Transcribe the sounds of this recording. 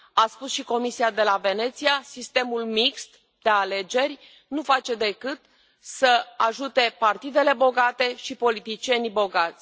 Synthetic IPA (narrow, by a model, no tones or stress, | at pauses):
aspusʃiko̞misiad̪e̞lave̞ne̞t̪siasist̪e̞mulmikst̪ | d̪̥e̞ale̞d͡ʒe̞rʲ | nufat͡ʃe̞d̪e̞kɨt̪ | səaʒut̪e̞part̪id̪e̞le̞bo̞ɡat̪e̞ʃipo̞lit̪it͡ʃie̞nbo̞ɡat̪sʲ